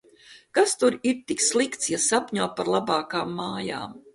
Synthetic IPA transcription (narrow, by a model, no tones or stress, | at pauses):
kast̪uɾiɾt̪ikslˠikt̪sjasapʲɲuɔpaɾlˠabaːkaːmːaːja̰ːm